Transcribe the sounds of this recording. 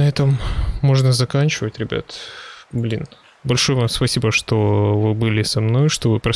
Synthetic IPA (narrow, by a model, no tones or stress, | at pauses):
ɐɛt̪əmːo̞ʐnəzɐkanʲt͡ɕɪvətʲɾʲɪbʲa̰t̪blʲin | bɐlʲʂo̞jəvamspɐsʲibəʂt̪o̞vɨbɨlʲɪsɐmno̞jʂt̪ovɨpɾɐ